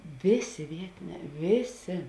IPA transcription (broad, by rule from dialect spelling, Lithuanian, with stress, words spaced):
ˈʋʲeːˌsʲeː ˈʋʲiɛtʲɪˌnʲɛː ˈʋʲeːˌsʲeː